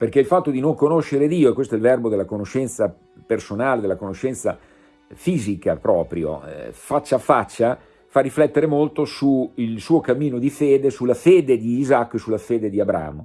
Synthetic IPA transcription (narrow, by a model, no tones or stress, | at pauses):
perkeilfat̪ːod̪inoŋkonoʃːeɾed̪iːoekwest̪oɛlvɛrbod̪elːakonoʃɛnt̪sa | personaːled̪elːakonoʃːɛnt̪sa | fiːzikapɾɔːpɾjo̰fat͡ʃːafat͡ʃːa | farːiflɛt̪ːeɾemolt̪osuilsuːokamːiːnod̪ifeːd̪esulːafeːd̪ed̪iːzakːesulːafeːd̪ed̪iabɾa̰ːmo